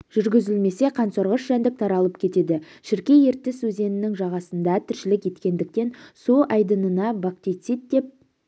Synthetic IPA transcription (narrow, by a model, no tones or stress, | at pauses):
ʒ̥ʏɾɡʲɪzɪlme̞se̞qʰɑnsoɾʁəʃʒænd̪ɪk̚t̪ʰɑɾɑlˠəp̚kʲʰe̞t̪e̞d̪ɪ | ʃɪɾkʲe̞je̞ɾt̪ːɪswɵze̞nɪnɪŋʒɑʁɑsənd̪ɑt̪ʰʏɾʃɪlɪkʲje̞t̪kʲe̞nd̪ɪk̚t̪e̞nsuʔɑjd̪ənənɑbak̚t̪ijt̪sijt̪̚d̪e̞p̚